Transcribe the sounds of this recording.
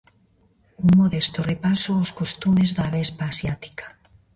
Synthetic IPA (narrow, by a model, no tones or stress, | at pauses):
uŋmoðest̪orepasooskost̪umezðaːβɛspaːsjat̪i̥kḁ